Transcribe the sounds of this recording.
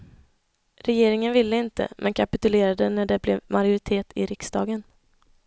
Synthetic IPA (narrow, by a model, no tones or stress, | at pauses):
ɾɛjeːɾɪŋənvɪlːəɪnt̪ə̰mʔɛ̰nkʰapɪt̪ɵleːɾad̪ənæɖɛblɛvmaɾjʊɾɪt̪ʰeːt̪ʰɪ̰ɾɪksd̪ɑːɡən